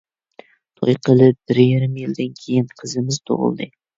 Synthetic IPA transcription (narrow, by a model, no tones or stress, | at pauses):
t̪ʰo̰jqʰəlˠɨp̚bɪɾjaɾɪmjɨld̪ɪnkʲʰejɪnqʰəzɪmɪzt̪ʰo̰ʁɨ̰lˠd̪ɨ